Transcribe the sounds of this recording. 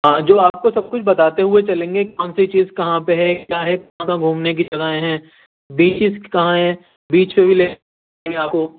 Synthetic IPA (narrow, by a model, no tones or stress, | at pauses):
ɦãːd͡ʒoːaːp̚kosɐb̚kʊt͡ʃʰbɐt̪aːt̪eɦʊet͡ʃɐlẽːŋɡekɐ̃nset͡ʃiːzkɐɦãpeɦɛkjaːɦɛkɐɦãkãɡʱuːmnek̬id͡ʒɐɡaɦẽɦɛ̃ː | biːt͡ʃɪskɐɦãɦɛ̃ | biːt͡ʃpebʱileː | ẽŋɡeaːp̚koː